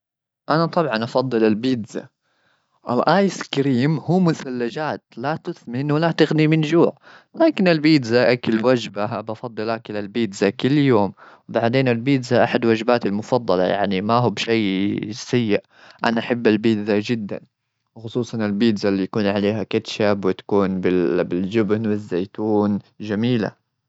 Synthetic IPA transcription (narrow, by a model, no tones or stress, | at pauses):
ʔanat̪ˤɑbʕɑnʔɑfɑd̪ˤːɨlalbiːd̪za̰ | ʔɪ̰lʔaːjskɾiːmhuːmʊθalːad͡ʒaːt̪lat̪ʊθmɪnwalat̪ɪɣnimɪnd͡ʒuːʕ | laːkɪnɪlbiːd̪zaʔakɪlwad͡ʒbaabɑfɑd̪ˤːɨlʔakɪlalbiːd̪zakɪlːjoːm | wbaʕd̪eːnɪlbiːd̪zaʔaħad̪wad͡ʒbaːt̪almʊfɑd̪ˤːɑlɑ̰ja̰ʕnimaɦuːbʃajsajːɪʔ | ʔa̰naʔaħabːalbiːd̪zad͡ʒɪd̪ːa̰n | wxʊsˤuːsˤɑnɪlbiːd̪zalːijakuːnʕaleːɦakat̪ʃabwɪt̪ḁkuːnbɪbɪld͡ʒɪbnwɪzːajt̪uːnd͡ʒamiːla̰